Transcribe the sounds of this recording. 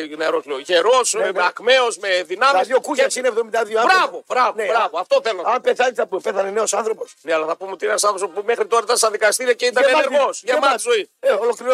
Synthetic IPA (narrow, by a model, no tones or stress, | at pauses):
neɾo̞zleoʝeɾo̞smeɐkme̞ozmeðinɐmɐisðjokuʝɐsinevðo̞mind̪ɐðioɐb̪ɾɐvobɾɐvoneɾɐvoɐft̪oθelonɐmpeθɐnisɐppeθɐnene̞o̞sɐnθɾo̞po̞sneɐlɐθɐpumeo̞t̪ieɐnsɐθosopumexɾit̪o̞ɾɐit̪ɐnst̪ɐðikɐst̪iɾiɐceit̪ɐneɐeɾɣosʝemɐzoieolokliɾo